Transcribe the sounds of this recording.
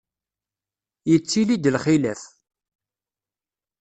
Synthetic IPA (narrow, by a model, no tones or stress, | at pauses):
jət͡sːilid̪əlχilæf